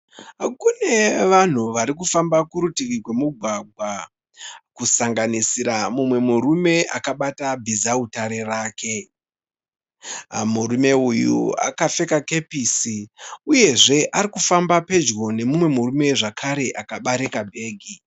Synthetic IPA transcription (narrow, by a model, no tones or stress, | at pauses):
kune̞ʋan̤uʋaɾik̬ufambakuɾutikikwe̞muɡʱwaɡʱwa | kusaŋɡanisiɾamumwe̞muɾume̞ʔa̰kaɓatabʱizautaɾe̞raːke̞ | muɾume̞ujṵa̰kafe̞kake̞pisiuje̞ʐe̞ʔaɾikufambape̞d͡ʒɣo̞ne̞mumwe̞murume̞ʐakʰaɾe̞ʔakaɓaɾekabʱe̞ːɡʱi